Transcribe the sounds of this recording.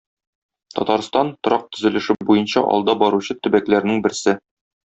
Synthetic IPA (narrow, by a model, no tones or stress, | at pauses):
t̪ɒ̰t̪ɑɾst̪ɑnt̪ŏɾɑq̚t̪ɵ̆zɘ̆lɘ̆ʃɘbujɤnɕɑ̰ʔɒ̰lˠd̪ɑbɒɾuɕɤt̪ɵ̆bæklæɾnɘŋbɘ̆ɾsɘ